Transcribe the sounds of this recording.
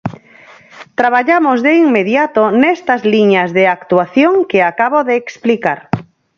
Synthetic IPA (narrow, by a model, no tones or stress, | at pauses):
t̪ɾaβ̞aʎamozðeiŋmeðjat̪onɛst̪ɐzliɲazðeakt̪uaθjoŋkeakaβoðeːksplikaɾ